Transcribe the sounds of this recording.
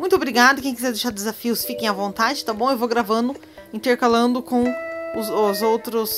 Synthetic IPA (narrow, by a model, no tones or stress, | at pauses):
mũj̃t̪ʊobɾiɡad̪ʊkẽj̃kizɛɾd̪eʃaɾd̪ezafiʊsfikẽj̃ɐvõnt̪ad͡ʒɪt̪abõw̃ewvowɡɾavɐ̃nd̪ʊ | ĩnt̪eɾkalɐ̃nd̪ʊkõw̃ʊzʊzowt̪ɾʊs